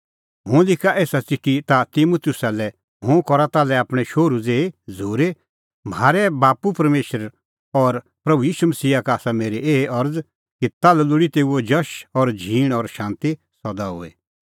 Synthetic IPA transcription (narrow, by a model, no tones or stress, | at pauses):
ɦʊ̃ːlɪkʰaʔeːsat͡sɪkːit̪at̪ɪmut̪jʊsalɛ | ɦʊ̃kɔɾat̪aːlɛaːpɽ̃ɛʃoːɾud͡zeːd͡zʱoːɾe | m̤aːɾɛbaːpupɐɾmeːʃəɾ | ɔɾ | pɾɐbujiːʃumɐsiːakaaːsameːɾeʔeːʔɐɾd͡z | kit̪aːlɛlʊɽit̪eːuod͡ʒɐʃɔɾd͡ʒʱiːɽ̃ɔɾʃãːnt̪i | sɔd̪aɦʊ̰ːḛ